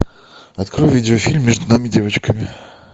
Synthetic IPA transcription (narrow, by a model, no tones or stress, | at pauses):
ɐt̪kɾojʊvʲidʲɪofʲilʲmːʲeʐd̪ʊnamʲɪdʲe̞vət͡ɕkəmʲɪ